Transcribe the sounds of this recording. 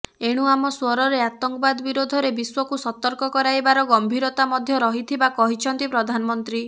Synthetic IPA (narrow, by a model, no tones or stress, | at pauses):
eɽ̃uamɔswɔɾɔɾeat̪ɔŋkɔbad̪ɔbiɾod̪ʱɔɾebiswɔkusɔt̪ɔɾkɔkɔɾajbaɾɔɡɔmbʱiɾɔt̪amɔd̪ʱjɔɾɔɦit̪ʰibakɔɦit͡ʃʰɔnt̪ipɾɔd̪ʱanɔmɔnt̪ɾi